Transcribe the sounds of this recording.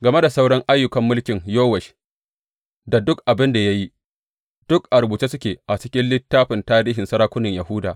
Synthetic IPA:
ɡɐ˨me˦da˨sa˦wɽɐ˦ŋʔa˦jːʊ˨kɐ˦mːʊ˦lkʲɪ˨ŋjoː˦wɛ˨ʃ | da˨dʊ˦kʔa˨bɪ˦nda˨ja˦ji˦ | d̥ʊ˦kʔa˨ɾʊ˨buː˨t͡ʃe˦sʊ˦kʲeː˨ʔa˨t͡ʃɪ̥˦kʲɪ˦nlɪ˦tːaː˦ɸɪ˨ntaː˦ɾiː˦ɦɪ˨nsɐ˦ɾaː˦kʷʊ˦nɪ˨ɲja˨ɦuː˦da̰ː˨ʔ

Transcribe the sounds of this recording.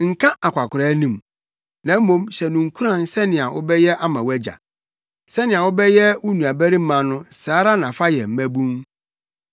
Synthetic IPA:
ŋ̩˨kʰã˦ʔa˨kʷʰa˨kʰʊ˨ɾa˨˦nĩ˦˨m | nã˨˦m̩˦mõ˦mɕɛ˨nʊ̃˨ŋ̩˨kʰu˦ɾã˦˨nsɛ˦nɪ̃˨a˨ʔʊ̰˦bɛ˦jɛ˦ʔa˦mã˨wæ˦d͡ʑa̰˨ | sɛ˦nɪ̃˨a˨wʊ˦bɛ˦jɛ˦wu˦nũ˨a˨bæ˦ɾi˦m̩˦mã˨nʊ̃˦saː˨˦ɾa˦nã˨fa˦jɛ˨m̩˦mæ̃˦bũ˦ŋ

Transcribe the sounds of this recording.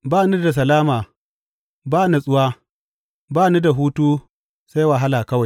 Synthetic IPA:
baː˦nu˦da˨s̬ɐ˨laː˦maː˨ | baː˦na˦sʼʊ˦waː˦ | baː˦nu˦da˨ɦuː˦tuː˦ | sa˦jwa˨ɦa˦laː˨kɐ˦wa˨j

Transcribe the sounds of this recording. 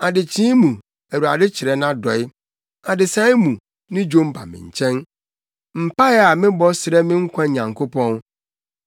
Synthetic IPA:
a˨dɪ˨t͡ɕʰĩː˦mũ˨ | æ˨wu˨a̰˨dɪ˦t͡ɕʰɪ˨ɾɛ˦nã˦dɔ˨ɪ˦ | a˨dɪ˨sã˦ɪ˦mũ˨ | nɪ̃˦d͡ʑõ˦m˦pʰa̰˨mɪ̰̃˨ɲ̩˨t͡ɕʰɛ̃˦n | m̩˨pa˦a˨mɪ̃˦bɔ˦sɪ˨ɾɛ˦mɪ̃˦ŋ̩˦kʷʰã˦˨ɲã˨ŋkʰo˦pʰɔ̃˦n

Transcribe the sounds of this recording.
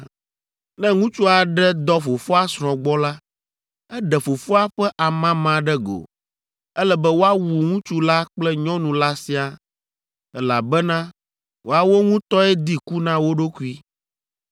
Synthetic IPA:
nɛ̃˦ŋũ˦t͡ʃu˦a˨ɖɛ˦d̪ɔ˦fo˨fo˦a˦sɾ̃ɔ̃˨ɡ͡bɔ˦la˦ | ɛ˦ɖɛ˨fo˨fo˦a˦ɸɛ˦ʔa˨mã˦mã˨ɖɛ˦ɡo̰˨ | ɛ˦lɛ˦bɛ˦wo˦a˦wu˨ŋũ˦t͡ʃu˦la˦k͡plɛ˦ɲɔ̃˦nũ˨la˦si˦a˨ | ɛ˦la̰˨bɛ˦nã˦ | wo˦a˦wo˦ŋũ˦t̪ɔ˦ɛ˦d̪i˦ku˦nã˦wo˦ɖo˦ku˦i˦

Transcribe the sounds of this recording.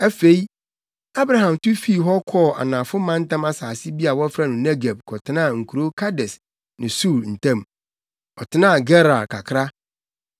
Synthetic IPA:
æ˦fe˦i˦ | a˦bɾa˨ɦã˨mtʊ˦fi˦˨ɦɔ˦kʰɔ˦˨ʔa̰˨nã˨fʊ˦mã˦n̩˦tã˦ma˦saː˨sɪ˦bi˦a˨wɔ˦fɾa˦nʊ̃˨nɛ˦ɡa˨b̚kʰɔ˨tʰɪ˨˦nã˦˨ŋ̩˨kʰu˨ɾo˦kʰa˦dɛ˨s | nɪ̃˨su˦˨ɾn̩˨tʰã˦˨m | ɔ˨tʰɪ˨˦nã˦˨ɡɛ˦ɾa˨lkʰa˨kʰɾa˦

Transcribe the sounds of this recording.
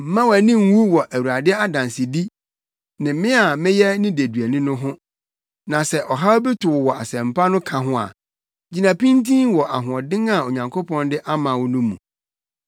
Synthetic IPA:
m̩˨mã˦wæ˨nɪ̃˦ŋ̩˦wu˦wɔ˨ʔæ˨wu˨a˨dɪ˦ɛ˦a˦dã˨nsɪ˨di˦ | nɪ̃˨˦mɪ̃˦a˨mɪ̃˦jɛ˦nɪ̃˦de˨dɥæ˨nĩ˦nʊ̃˦ɦʊ̃˦ | nã˨sɛ˦ʔɔ˨ɦa˦bɪ˦tʰʊ˨wwɔ˨a̰˨sɛ̃˨m̩˨pʰa˦nʊ̃˦kʰã˨ɦʊ̃˦a̰˨ | d͡ʑi˨nã˨pĩ˦ntʰĩ˦nwɔ˨ʔa̰˨ɦʊ̃˨ɔ˨dɪ̃˦ŋa˨o˨ɲã˨ŋkʰo˦pʰɔ̃˦ndɪ˦ʔa˦mã˨wɔ˦nũ˦mːũ˨

